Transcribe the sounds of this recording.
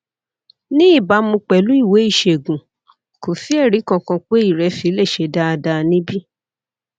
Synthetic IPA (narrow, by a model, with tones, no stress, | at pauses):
nĩ˦i˦˨ba˨˦mũ˧k͡pɛ˨lu˦i˦˨we˨˦i˦˨ʃe˨ɡũ˨ | ko˨fi˦ɛ˦˨ɾi˨˦kɔ̃˧kɔ̃˧k͡pe˦i˦˨ɾɛ˧˦fi˨˦le˦˨ʃe˨˧da˦˧da˧nĩ˦bi˦